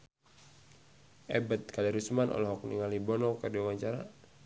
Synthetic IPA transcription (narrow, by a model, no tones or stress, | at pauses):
ɛbət̪̚kalɛɾusmanʔɔ̰lɔɦɔk̚nḭŋalibɔnɔkədiwawaɲt͡ʃaɾa